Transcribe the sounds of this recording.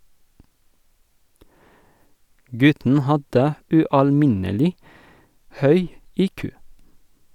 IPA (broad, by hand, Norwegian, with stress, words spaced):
ˈɡʉtn̩ ˈhɑdə ʉɑlˈmɪnəlɪ ˈhœʏ ˈiːkʉː